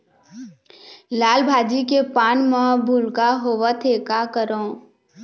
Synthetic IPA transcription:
laːlbʱaːd͡ʒikepaːnmãbʱʊlkaɦoːʋət̪ʰeːkakəɾõː

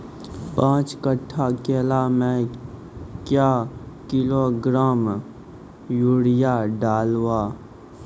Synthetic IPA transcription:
pãːt͡ʃkəʈʰːakeːlamẽ | kjaːkɪloɡɾaːm | juɽɪjaɖaːlwaː

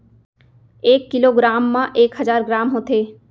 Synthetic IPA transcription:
eːkːiloɡɾaːmːãʔeːkɦəd͡ʒaːɾɡɾaːmɦõt̪ʰeː

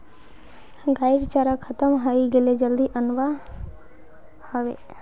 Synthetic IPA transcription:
ɡaɪɾt͡ʃaɾakʰət̪əmɦəiɡeled͡ʒəld̪iʔənʋa | həʋḛ

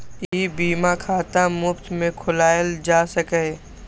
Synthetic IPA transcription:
ibiːmakʰaːt̪amʊpt̪mẽkʰʊlaːjəld͡ʒaːsəkə

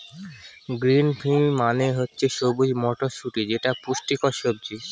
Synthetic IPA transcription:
ɡɾinpʰimmaneɦotːɕʰeʃobud͡ʑmɔʈoʃuʈid͡ʑeʈapuʃʈikɔʃob̚d͡ʑi

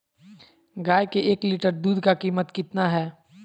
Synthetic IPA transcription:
ɡaːjkeʔeːkliːʈəɾd̪uːd̪kakiːmət̪kɪt̪naɦɛː

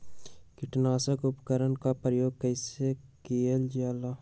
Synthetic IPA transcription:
kɪʈnaːsəkʊpkəɾənkapɾəjoːɡ̚kəɪsekield͡ʒaːla

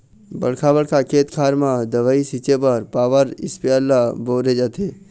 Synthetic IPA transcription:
bɐɽkʰabəɽkʰakʰeːt̪kʰaːɾmãd̪əʋaːisiːt͡ʃepəɾpaːʋəɾɪ̰spjalaboːɾed͡ʒat̪eː

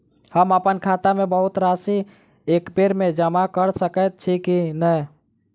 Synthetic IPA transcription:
həməpənkʰat̪amẽbəɦut̪ɾasi | ekbeɾmed͡ʒəmakəɾsəkət̪̚t͡ʃʰikinəj

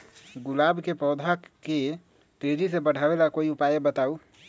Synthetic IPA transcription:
ɡulabkepɔwd̪ʱake | t̪ed͡ʒisẽbəɽ̤abelakoiupajebət̪au

